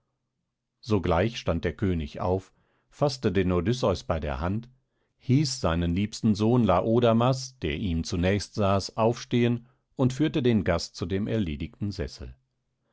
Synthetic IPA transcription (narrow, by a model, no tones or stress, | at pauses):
z̥oɡlaɪçʃtant̚d̥eːɐkʰøːnɪça̰ʊf | fastədeːnodʏsɔʏsb̥aɪdḛːɐhant | hiːsz̥aɪnənliːpstn̩zoːnlaːʔoːdamasd̥eːɐʔiːmt͡sunɛːçstz̥aːsʔaʊfʃteːən | ʔʊntfyːɐtədeːnɡast̚t͡sudeːmʔɛ̰ɐleːdɪçtn̩zɛ̰sl̩